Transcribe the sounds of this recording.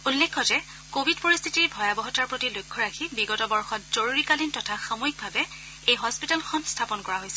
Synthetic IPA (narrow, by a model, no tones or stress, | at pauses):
ulːekʰːɔzɛ | kobʱidpoɹist̪ʰitiɹbʱɔjabɔɦɔtaɹpɹotilojkʰːɔɹaxʰibiɡɔtɔbɔɹxɔtz̥oɹuɹikalintɔtʰaxamoik̚bʱabɛ | ejɦɔspitalxʰɔnstʰapɔnkɔɹaɦojsɛ̥